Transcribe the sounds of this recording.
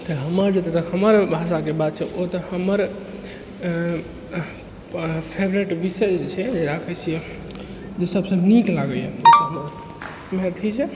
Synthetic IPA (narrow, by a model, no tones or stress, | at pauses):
t̪əɦəməɾd͡ʒet̪et̪əhəməɾbʱasakebad̪̚t͡ʃʰɛʔot̪əhəməɾ | pʰebɾeʈʋised͡ʒd͡ʒt͡ʃʰɛd͡ʒeɾəkʰɛt͡ʃʰijɛ | d͡ʒesəbsə̃ɡniklaɡəjɛot̪əɦəməɾ | met̪ʰit͡ʃʰɛ